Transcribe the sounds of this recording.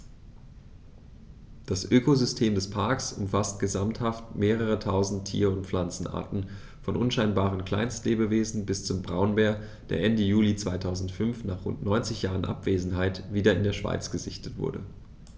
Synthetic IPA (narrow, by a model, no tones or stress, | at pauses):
d̥asʔøːkozʏstʰeːmdɛspʰaɐksʊ̰mfast̚ɡ̥əzamthaftmeːʁ̞əʁ̞ətʰaʊzn̩tʰːḭːɐʊntp͡flant͡sn̩ʔa̰ɐtn̩ | fɔnʔʊnʃaɪnbaːʁ̞ənkl̥a̰ɪnstleːbəveːzn̩bɪst͡sʊmbʁaʊnbeːɐ | d̥eːɐʔɛndəjuːlit͡sv̥aɪtʰaʊzn̩tfʏnfnaːχʁʊ̰ntnɔʏnt͡sɪçjaːʁənʔa̰pv̥eːzn̩ɦaɪtv̥iːdɐɪndeːɐʃv̥a̰ɪt͡sɡ̥əzɪçtətv̥ʊ̰ɐdə̰